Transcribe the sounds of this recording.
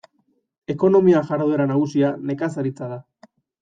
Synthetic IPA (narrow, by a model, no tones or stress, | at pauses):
e̞ko̞no̞miaʝaɾðue̞ɾanaɣ̞usiane̞kasaɾit͡saða